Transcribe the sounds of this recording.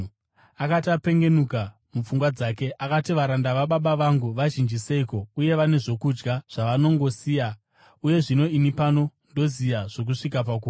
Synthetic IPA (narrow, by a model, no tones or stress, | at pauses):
akatiape̞ŋɡe̞nuka | mup͡fuŋɡwad͡zake̞ʔakatiʋaɾandaʋaɓaɓaʋaŋɡuʋaʒind͡ʒise̞iko̞uje̞ʋane̞ʐo̞kud͡ʒɡaʐ̥aʋano̞ŋɡo̞siːja | uje̞ʐino̞inipano̞ndo̞zijaʐ̥o̞k̬uʂik̬ap̬ak̬u